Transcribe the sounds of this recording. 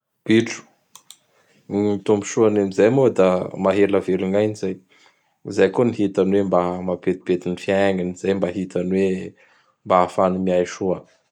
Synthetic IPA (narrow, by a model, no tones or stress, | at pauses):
b̥iʈ͡ʂu̥ | iit̪umbi̥ʃuanamizajmod̪amaɦelaveluŋajnizaj | zajkuniɦit̪anwembamapet̪i̥bet̪inifiaŋiniz̥ajmbaɦit̪anwe | mbaːfanimiajʃuə